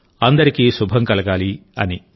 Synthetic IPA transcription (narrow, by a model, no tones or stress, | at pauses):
ɐnd̪ɐɾikiːʃubʱɐmkɐlɐɡaːliɐ̰ni